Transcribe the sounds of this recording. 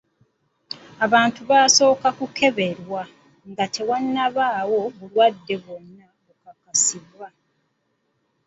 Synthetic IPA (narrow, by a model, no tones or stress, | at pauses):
aβaːntuβaːso̞ːkakuke̞βe̞ɾwa | ŋɡatʰe̞wanːaβaːwo̞βulwadːe̞βo̞nːa | okakasiβːa